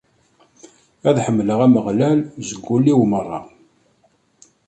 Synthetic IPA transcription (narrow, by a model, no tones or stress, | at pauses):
æðħəmːləʁæməʁlælzəɡʷːulːiwmərˤːɑ̰